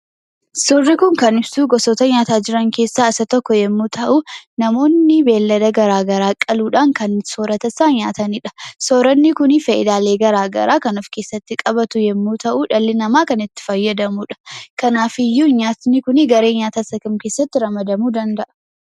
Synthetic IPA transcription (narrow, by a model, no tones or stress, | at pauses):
sɔrːɪkʊŋkɐnɪbsuːɡɔsɔt̪ɐɲaːt̪aːd͡ʒɪɾɐŋke̞ːsːaːɪsɐt̪ɔkːɔjɛmːuːt̪ʰɐʔʊnɐmo̞ːnːɪbe̞ːlːɐd̪ɐɡɐɾaːɡɐɾaːkʼɐluːᶑaːŋkɐnsoːɾɐt̪ɐsːaːɲaːt̪ɐnɪᶑɐ̥soːɾɐnːɪkʊnɪfɐʔɪd̪aːle̞ːɡɐɾaːɡɐ̰ɾaːkɐnɔfkeːsːɐt̪ːɪkʼɐbɐt̪ʊjɛmːuːt̪ʰɐʔuːᶑɐlːɪnɐmaːkɐnɪt̪ːɪ̥fɐjːɐd̪ɐmuːᶑɐ̥kɐnaːfɪjːuːɲaːt̪nɪkʊnɪɡɐɾe̞ːɲaːt̪ɐsɐkɐmke̞ːsːɐt̪ːɪɾɐmɐd̪ɐmuːd̪ɐnd̪ɐʔɐ̥